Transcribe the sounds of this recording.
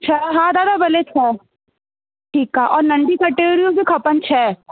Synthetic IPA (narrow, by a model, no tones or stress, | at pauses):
t͡ʃʰɛɦãːd̪aːd̪abɐlet͡ʃʰɛː | ʈʰiːkːaːʔɔːɾnɐɳɖikɐʈeːɡɾijõbʱikʰɐpənt͡ʃʰɛː